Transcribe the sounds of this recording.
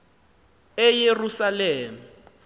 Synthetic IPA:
ɛjerusalɛːmu

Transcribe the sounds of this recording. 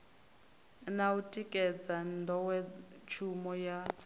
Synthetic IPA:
nautʼikʼɛd͡zandʱɔwɛt͡ʃʰumɔja

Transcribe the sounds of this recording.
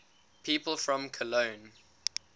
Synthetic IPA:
pʰiːˑpəlˠfɹɔ̃mkʰəlõʊ̃n

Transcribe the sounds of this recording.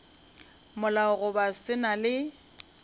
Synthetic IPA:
mʊlaʊɣʊbasɪnalɪ

